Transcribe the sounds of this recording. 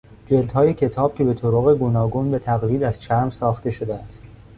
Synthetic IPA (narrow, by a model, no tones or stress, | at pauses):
d͡ʒeld̪hɒːjecʰe̞t̪ʰɒːb̥̚cʰʲe̞be̞t̪ʰoɾoɣe̞ɡuːnɒːɡuːnbet̪ʰæɣliːd̪æz̥t͡ʃʰæɾmsɒːxt̪e̞ʃod̪eæst̪